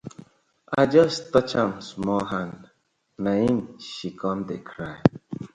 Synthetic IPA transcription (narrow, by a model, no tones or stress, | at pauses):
a̰ɪd͡ʒʌstʌt͡ʃãmsmɔlɦãnd | nahĩmʃikʰɔ̃mdekʰɹaɪ